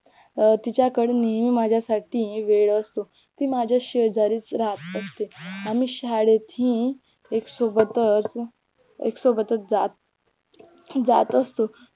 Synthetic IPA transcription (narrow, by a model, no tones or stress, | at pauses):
t̪it͡ɕjakəɽenimimad͡ʑʱjasaʈʰiːʋeɭəst̪o | t̪ĩːmad͡ʑʱjaɕəd͡zaɾiːt͡sɾat̪əst̪eam̤iːɕaɽet̪ĩː | eksobət̪ət͡s | ḛksobət̪ət͡sd͡zat̪̚ | d͡zat̪əst̪o